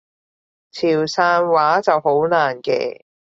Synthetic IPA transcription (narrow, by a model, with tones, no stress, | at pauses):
t͡sʰiː˨˩wsaː˧nwaː˨˥t͡sɐ˨who˨˥wnaː˨˩nkɛ̰ː˧